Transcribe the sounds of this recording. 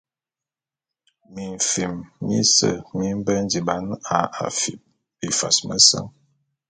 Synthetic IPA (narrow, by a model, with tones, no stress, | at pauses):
mi˨ɱ˨fi˨mmḭ˦sə˨mi˦m˦bə˦n˦di˨ba˨˦na˨a̰˨fi˨p̚ | bi˨fa˨smə˦sa̰˦ŋ